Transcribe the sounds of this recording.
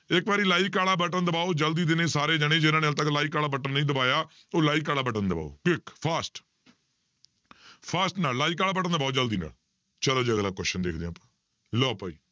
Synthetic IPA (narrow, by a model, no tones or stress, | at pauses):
ɪkbaːɾiːlaːiːkaːɽaːbəʈənd̪əbaːoːd͡ʒəld̪iːd̪ɪnẽːsaːɾeːd͡ʒaɽ̃eːd͡ʒɪnãːneəlt̪̬əklaːiːkaːlaːbəʈənːəĩːd̪əbaːjaː | oːlaːiːkaːlaːbəʈənd̪əba̰ːo̰ːkɪkpʰaːsʈ | pʰaːsʈnaːllaːiːkaːlaːbəʈənd̪əbaːoːd͡ʒəld̪iːna̰ːl | t͡ʃəloːd͡ʒaːɡlaːkwɛːʃənd̪eːkʰd̪ẽːãːpãː | lɔːpaːḭː